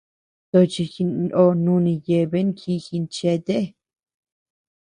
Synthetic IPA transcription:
t̪o˧t͡ʃi˧xi˧no˧nũ˧nĩ˧je˧˨βe˦ŋkʰi˧xi˧nt͡ʃe˧t̪e˦˧

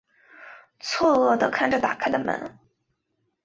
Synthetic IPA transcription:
t͡sʰwɔ˥˧ɔ˥˩d̪ə˩kʰa˥˩nʈ͡ʂə˨˩t̪a̰˨˩kʰa˥˩ɪd̪ə˨mə̰˧˥n

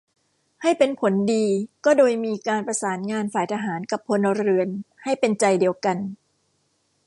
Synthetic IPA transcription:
ha˥˩jpe˧npʰo˩˦ndiː˧kɔː˥˩doː˧jmiː˧kaː˧npɾa˧saː˩˦nŋaː˧nfaː˨˩jt̪ʰaː˧ɦaː˩˦nka˨˩pʰːo˧na˧ɾɯ˧ənha˥˩jpe˧nt͡ɕa˧jdi˧əwka˧n

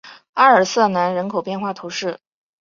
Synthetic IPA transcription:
a˥ə˞˨˩sɤ˥˩na˧˥nɻə˧˥nkʰo˨˩ʊpjɛ˥˧nxwa˥˩t̪ʰu˧˥ʂɻ̩˥˩

